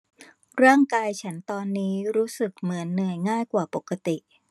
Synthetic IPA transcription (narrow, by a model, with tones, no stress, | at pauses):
ɾɯ˥˩əŋkaː˧jt͡ɕʰa˦˥nt̪ɔː˧nːiː˦˥ɾuː˦˥sɯ˨˩k̚mɯ˩˦ənːɯ˨˩əjŋaː˥˩jkwaː˨˩po˨˩ka˧t̪i˨˩ʔ